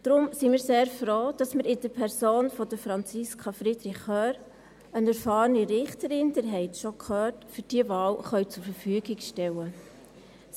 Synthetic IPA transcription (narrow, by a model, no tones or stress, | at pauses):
d̥ɾʊmsimiːɾseːɾfɾoːd̥ɑsməɾɪd̥əpʰɛɾsoːnfɔdəfɾɑnt͡siskʰɑfɾɪdɾɪχœːɾ | ənɛɾfɑːɾəniɾɪχtəɾɪnd̥əɾɦɛɪtʃokʰχœːtfyɾd̥iːəvɑːlχœʏt͡sʊɾfəɾfyəɡɪɡʃtɛwə